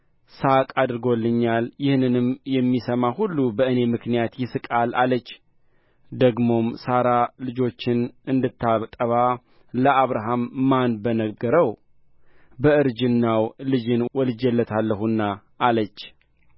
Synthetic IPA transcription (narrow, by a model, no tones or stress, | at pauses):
sakʼad̪ɨɾɡo̞lːɨɲːaljɪhnɨnɨmjɛmːisəmahulːubəɨne̞mɨknijat̪jɪsɨkʼalalət͡ʃː | d̪əɡmo̞msaɾalɨd͡ʒo̞t͡ʃːɪnɨnd̪ɨt̪ːaβt̪ʼəβa | ləʔaβɾaɦamːanbənəɡəɾəw | bəɨɾd͡ʒɪnːawlɨd͡ʒɪnwɔlɨd͡ʒɛlːət̪ʰalːəhunːa | ʔːlət͡ʃː